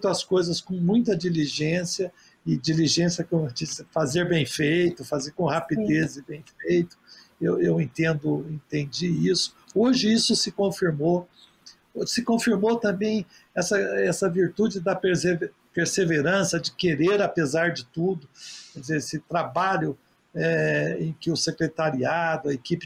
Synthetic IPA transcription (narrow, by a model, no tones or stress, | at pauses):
ũt̪ʊɐskojzɐskõmũj̃t̪ɐd͡ʒiliʒẽsjɐ | ɪd͡ʒiliʒẽsjɐkewt͡ʃisɪfazeɾbẽj̃fejt̪ʊfazeɾkõhapid̪ezɪbẽj̃fejt̪ʊ̥ | ewewẽnt̪ẽnd̪ʊẽt̪ẽnd͡ʒiisʊ̥oʒɪisʊsɪkõfiɾmo | sɪkõfiɾmot̪ɐ̃bẽj̃ | ɛsɐɛsɐviɾt̪ud͡ʒɪd̪ɐpeɾsev | peɾseveɾɐ̃sɐd͡ʒɪkeɾeɾapezaɾd͡ʒɪt̪ud̪ʊkɛdd͡ʒɪzeɾesɪt̪ɾabaʎʊ | ɛẽj̃kɪʊsekɾet̪aɾiad̪ʊɐekipɪ